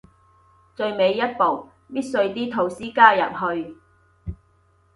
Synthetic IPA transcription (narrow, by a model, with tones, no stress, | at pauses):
t͡ʃɵ˧ɥme˨˧jːɐ˥t̚po˨˩w | piː˥t̚sɵ˧ɥt̪iː˥t̪ʰo˨˩wsiː˥kaː˥jɐ˨p̚ɦɵ˧ɥ